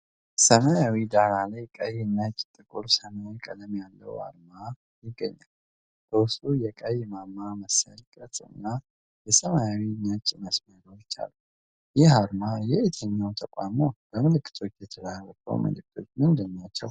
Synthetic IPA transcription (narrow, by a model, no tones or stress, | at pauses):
səmajawid̪aɾalajkʼəjːɲːat͡ʃʼːt̪ʼɨkʼuɾsəmaikʼələmjalːə̰wa̰ɾma | jɪɡːəɲːal | bʰəwʊst̪ʼujɛkʼəjːmamːaməsajkʼət̪ʼɨɨ̰nːa | jɛsəmajawiɲat͡ʃʼməsməɾoɪt͡ʃːa̰lu | jɪhaɾmajɛet̪ʰəɲːawnt̪ʰəkʼamo̞b̥əmɨlɨkʼːɨ̥t̪ʰo̞t͡ʃːjɛt̪ʰəlarəkʰə̰wmɨ̰lɨk̚t̪ʰo̞̰t͡ʃːnɨnd̪əmːjat͡ʃːə̰w